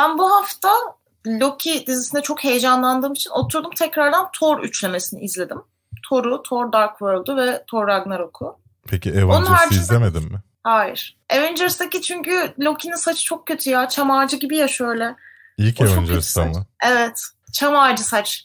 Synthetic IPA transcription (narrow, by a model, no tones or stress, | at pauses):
b̥ænbuɦaft̪ʰa | lʲo̞cʰid̪izisinɛt͡ʃʰokhe̞jed͡ʒanlˠand̪ɯːmit͡ʃʰino̞t̪ʰuɾd̪umt̪ʰɛcɾaɾd̪ant̪ʰo̞ɾy̰t͡ʃlʲe̞me̞sinḭizlʲe̞d̪im | t̪ʰo̞ɾʊt̪ʰo̞ɾd̪aɾkvøɾlˠd̪uvɛt̪ʰo̞ɾːaɡnaɾokʰʊ | pʰecʰievonunhaɾd͡ʒiszllemed̪imːɪ | haːjiɾ̥ | evɛnd͡ʒeɾst̪acit͡ʃʰyɲcylʲo̞cʰininsat͡ʃʰɯ̥t͡ʃʰo̞k̚cʰʲːø̞t̪ʰyjaːt͡ʃʰamaɾd͡ʒɯɟibijaʃø̞jlʲɛ | ilʲcoet͡ʃvɛond͡ʒɛɾsamaevɛt̪ | t͡ʃʰamaɾd͡ʒɯsat͡ʃ